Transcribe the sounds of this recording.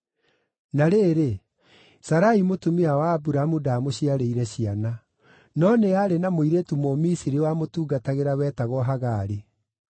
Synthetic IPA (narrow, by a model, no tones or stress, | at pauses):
naɾeɾe | saɾaimotumeawaːbuɾamudamoɕiaɾeiɾɛɕiana | nɔneaɾenamoiɾetumomisiɾiwamotuːɡataɣeɾawɛːtaɣɔɦaɣaːɾe